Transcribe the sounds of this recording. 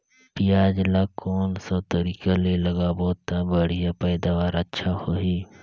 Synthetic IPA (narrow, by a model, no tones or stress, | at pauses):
pijaːd͡ʒlakoːnsot̪əɾiːkaleləɡaboːt̪abəɽ̤ijapɛːd̪aːʋaːɾətːʃʰahoɦiː